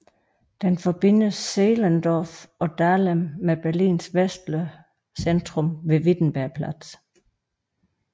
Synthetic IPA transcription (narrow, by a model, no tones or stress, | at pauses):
d̥enfɒ̽b̥e̝n̰əsːeːlænd̥ɒːfɒ̽d̥æːlemːeb̥æɐlḭːnsʋesd̥lə | send̥ʁɔmʋe̝ʋid̥n̩b̥æɐpʰlæd̥s